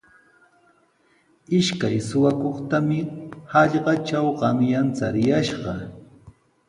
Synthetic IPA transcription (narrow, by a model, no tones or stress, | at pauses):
ɪʃkajsʊwakoχt̪amɪhɑʎɢɑt͡ʃawɢɑŋjant͡saɾɪjaʃɢɑ